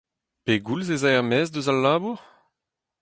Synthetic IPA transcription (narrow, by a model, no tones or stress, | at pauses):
peɡulzezaɛʁmɛːzdøzalːaːbuʁ